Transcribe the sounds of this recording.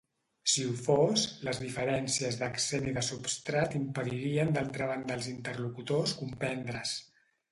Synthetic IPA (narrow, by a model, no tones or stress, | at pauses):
siufosləzðifəɾɛnsiəzðəkseniðəsupst̪ɾat̪impəðiɾiənd̪alˠt̪ɾəβ̞and̪əlˠzint̪ərlukut̪oskumpɛnd̪ɾəs